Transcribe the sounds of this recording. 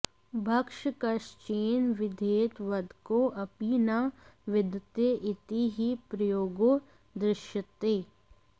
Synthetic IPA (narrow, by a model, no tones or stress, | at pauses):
bʱɐkʃkɐʃt͡ʃeːnʋɪd̪ʱeːt̪ʋɐd̪ʱkoʔɐpinaʋɪd̪t̪eʔɪt̪iɦipɾɐjoːɡo | d̪ɾɪʃjət̪eː